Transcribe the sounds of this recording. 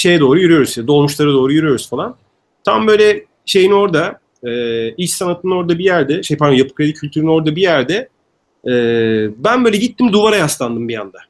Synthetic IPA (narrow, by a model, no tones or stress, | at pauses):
ʃe̞jɛd̪o̞ːɾujyɾyjo̞ɾuzjad̪o̞lˠmuʃlˠaɾad̪o̞ːɾujyɾyjo̞ɾuzfalˠan | t̪ʰambø̞ːjlʲɛ | ʃe̞jino̞ɾd̪a | ɛːiʃt͡ʃsanat̪ʰɯno̞ɾd̪abijæɾd̪ɛʃejpʰaɾd̪ojapɯ̥kɾed̪icʰylʲt̪ʰyɾyno̞ɾd̪abijæɾd̪ɛ | ɛːbænbøjlʲɛɟit̪ːimd̪uvaɾajaslˠand̪ɯmbija̰nd̪a